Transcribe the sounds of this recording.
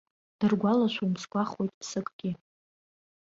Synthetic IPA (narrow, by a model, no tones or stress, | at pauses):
d̥ɨrɡʷalaʃʷumskʷʼaχwo̞jtʼpʰsɨkʼɡ̥ʲɪ